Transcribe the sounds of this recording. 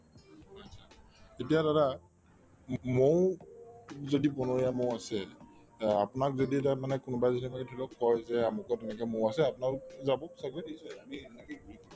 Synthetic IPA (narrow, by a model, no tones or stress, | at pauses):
atsʰa | etijadaɾa | mow | zodipɔnoɹijamowasɛ | apʊnakzoditamanɛkʊnʊbajzɔnimakɛtʰulɔkːɔjzɛamʊkɔtɛnɛkɛmowasɛapʊnalzabɔksaɡɹɛdiisɔamiɛnɛkejɡuɹikɔɹ